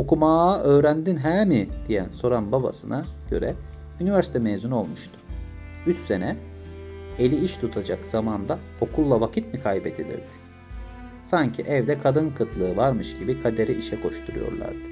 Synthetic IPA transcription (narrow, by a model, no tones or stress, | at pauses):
o̞kumaːʔø̞ːɾænd̪inɦæːmid̪̥ijæ̰nso̞ɾanbaba̰sɯnʔaɟ̥ø̞̰ɾɛ̰ | ynivæɾsi̥t̪ʰɛmeːzuno̞lˠmuʃt̪ʰu̥ | yt͡ʃse̞nɛ | elʲiiʃt̪ʰut̪ʰad͡ʒakz̥amand̪a | o̞kʰulˠːavacʰit̪mikʰajbɛt̪ʰed̪ḭɾd̪ɪ̥ | saɲcʰiʔɛvd̪ɛkʰad̪ɯnkʰɯt̪ʰlˠɯːvaɾmɯʃɟibikʰad̪e̞ɾiʔiʃɛkʰo̞ʃt̪ʰuɾṵjo̞̰ɾlˠa̰ɾd̪ɯ̥